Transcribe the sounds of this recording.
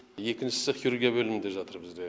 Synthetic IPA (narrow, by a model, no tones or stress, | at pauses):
je̞kʲɪnʃɪ̥sɪχjuɾuɡʲijabɵlɪmɪnd̪eʒɑt̪əɾbɪzd̪e